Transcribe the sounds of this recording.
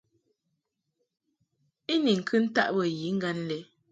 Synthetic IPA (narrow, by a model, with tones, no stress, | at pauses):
i˦ni˨ŋ̩˨kʰɨ˦n̩˦ta̰˦ʔbə˨ji˨˦ŋ̩˦ɡa˦n˦lɛ˨˦